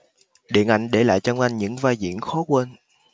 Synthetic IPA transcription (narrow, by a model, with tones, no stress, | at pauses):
ɗḭ˧˨ənʔa˧˩jŋ̟ɗe˧˩la̰ː˧˨jt͡ɕɔ˧wŋ͡mʔa˧jŋɲɨ̰˧˥ŋvaː˧jzḭ˧˨ənxɔ˨˦kwe˧n